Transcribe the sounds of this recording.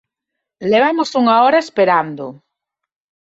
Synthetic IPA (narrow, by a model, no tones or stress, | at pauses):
leβ̞amosuŋaoɾaespeɾand̪ʊ